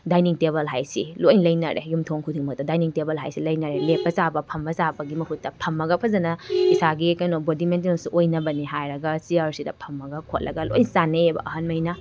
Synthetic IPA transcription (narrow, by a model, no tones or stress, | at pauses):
dajniŋteβɐlɦajsḭlojnlɐjnɐ̰ɾʔḛjumtʰoŋkʰudiŋmɐk̚tɐdajniŋtebɐlɦa̰jsilɐjnɐɾelepːɐsabɐpʰɐmbɐsabɐɡimɐɦutːɐpʰɐmːɐɡɐpʰɐzɐnɐisaɡikɐjnobodiment̬inosuʔojnɐbɐniɦajɾɐɡɐsiaɾsidɐpʰɐmːɐɡɐkʰot̚lɐɡɐlo̰jnsaneebɐ̰ʔɐɦɐnmɐjnɐ